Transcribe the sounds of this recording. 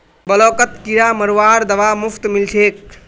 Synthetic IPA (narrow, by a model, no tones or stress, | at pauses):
bɐloːkət̪kiɾaːmɐɾʋaːɾd̪ɐʋaːmupʰt̪milt̪ʰeːk̚